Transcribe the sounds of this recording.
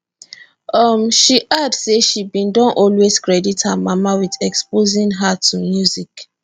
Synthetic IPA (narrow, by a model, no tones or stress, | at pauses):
ʌmʃiʔadseʃibĩndɔ̃nʔɔlwez̥kɹɛdithamamawiðɛkspozĩnɦatʰumjuzik